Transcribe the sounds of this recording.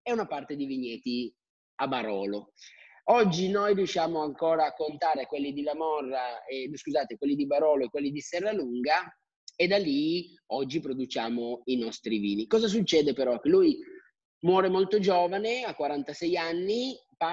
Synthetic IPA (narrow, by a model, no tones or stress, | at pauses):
ɛunapart̪ed̪iviɲːɛːt̪i | abaɾɔːlo | ɔd͡ʒːinojriuʃːjaːmoaŋkoːɾaːkːont̪aːɾekwelːid̪ilamɔrːaeskuzaːt̪ekwelːid̪ibaɾɔːloekːwelːid̪isɛrːaluŋɡa | ed̪alːi | ɔd͡ʒːipɾod̪ut͡ʃaːmoinɔst̪ɾivḭːnikɔːzas̬ut͡ʃːɛːd̪epeɾɔk̟ːeluj | mwɔːɾemolt̪od͡ʒoːvaneakːwaɾant̪asɛjanːi | pa